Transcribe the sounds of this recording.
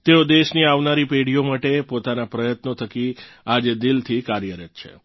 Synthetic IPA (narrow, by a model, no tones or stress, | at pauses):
t̪eod̪eʃniaʋnaɾipeɽijomaʈepot̪anapɾəjət̪not̪ʰəki | ad͡ʒed̪ɪlt̪ʰikaɾjəɾət̪t͡ʃʰḛ